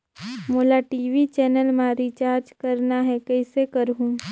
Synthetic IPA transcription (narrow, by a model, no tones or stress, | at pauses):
moːlaʈiːʋit͡ʃɛːnəlmãɾit͡ʃaːɾd͡ʒkɐɾnaɦɛkɐɪsekəɾɦũː